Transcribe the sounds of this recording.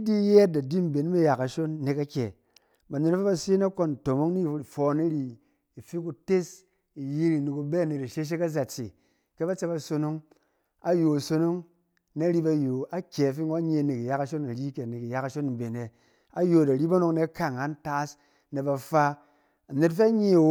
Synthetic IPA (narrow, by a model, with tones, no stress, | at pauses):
i˦di˦je˦t̚da˨di˦m̩˨be˨n˦me˦ja˨ka˨ʃo˦n˦ne˨ka˦kʲe˨ | ba˨ne˨na˦fi˦ba˧si˦na˦ko˦n˨to˨mo˦ŋni˦˨˦fɔ˨˦ni˦ɾi˨ | i˨fi˦k̬u˧te˦s | i˨ji˦ɾi˨ni˨ku˧be˦˨ne˨ti˨ʃe˦ʃ̬e˦ka˦za˨t͡sḛ˨ | ke˦ba˦t͡se˧ba˧so˧no˦ŋ | a˦jo˨so˧no˦ŋ | na˦ɾi˦ba˧jo˨a˦kʲe˨fi˦ŋo˦ɲe˧˨ne˨ki˨ja˦ka˧ʃo˦na˨ɾi˦kʲe˨ne˨ki˨ja˦ka˨ʃo˦n˨m̩˨be˨ne˨ | a˦jo˨da˨ɾi˦ba˦no˦kne˦ka˦˨ŋa˦n˦ta˦s | ne˨ba˧fa˧ | a˨ne˨tfe˦a˦ɲe˦˨˦